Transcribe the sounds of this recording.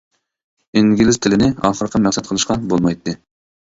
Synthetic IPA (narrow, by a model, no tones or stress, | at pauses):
iŋɡʲilɪzt̪ʰɪlɪnɪɑ̰ːχəɾqʰəmæχsɛt̪qʰəlˠɨʃqɑbolˠmɑjt̪ʰːɨ